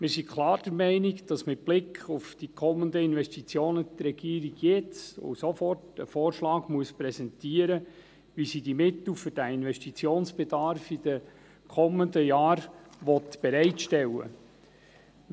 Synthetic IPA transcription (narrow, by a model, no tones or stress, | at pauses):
mɪːɾsikʰlˠɑːrd̥əɾmɛɪnɪkd̥ɑsmɪt̚b̥lɪkʰʊfd̥ikʰɔmːəndəɪnʋɛstit͡sjoːnət̪ɾɛɡ̥iːɾiɡ̥jɛt͡so̰sofɔrtə̰fɔːɾʃlɑːɡmuəspɾɛsɛntiːəɾə | ʋisidimɪt̪l̩fʏɾd̥æɪnʋɛstit͡sjoːnsb̥ɛdɑɾfid̥̪ə | kʰɔmːəndəjɑːɾʋɔt̪b̥ɛɾɛɪtʃtɛlːə̰